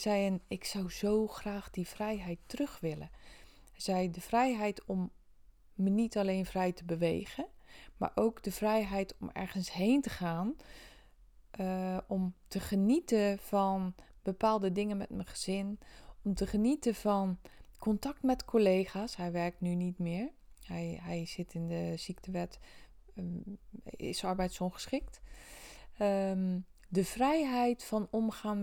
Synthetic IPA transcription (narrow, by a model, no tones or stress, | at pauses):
zɛjənɪksɑwzowxraːxdiv̥rɛjɦɛjtːrøxʋɪlə | ɛzɛjdəv̥rɛjɦɛjtʰɔmː | ənitaleːnvrɛjtəbəʋḛːɣəma̰ːɹʔowkdəvrɛjɦɛjtʰɔmɛ̰ɹɣənsheːntəχaːn | ɔmtʰəχənitəvɔn | bəpaːlˠdədɪŋənmɛ̰tməχəz̥ɪnɔmtəχənitəfɔnkʰɔntak̚tmɛtkʰoleːχaːshɛjʋɛɹk̚tnynitmɪːɹ | hɛjɦɛjz̥ɪtʰɪndəz̥ik̚təʋɛt | ɪ̰sɔɹbɛjtsoχə̥sχɪk̚t | dəfrɛjɦɛjtfɔnɔmχaːn